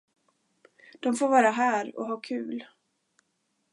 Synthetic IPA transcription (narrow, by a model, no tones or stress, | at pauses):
d̪̥ɔmfoːɾvɑːɾaɦæːɾɔ̰ɦɑːkʰʉ̟ːl